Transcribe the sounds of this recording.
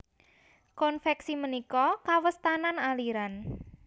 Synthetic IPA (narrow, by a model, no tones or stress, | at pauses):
kɔnfɛksimənikɔkawəst̪ananaliɾan